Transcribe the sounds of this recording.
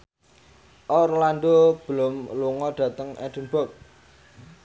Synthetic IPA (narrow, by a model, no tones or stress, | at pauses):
ʔɔrland̪ob̥əlʊmluŋɔɖ̪̥ä̤t̪əŋɛ̰d̥̪əmbɔk̚